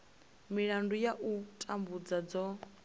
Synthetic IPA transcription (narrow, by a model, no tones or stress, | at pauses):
miɺandujaʔutʼambud͡zad͡zɔ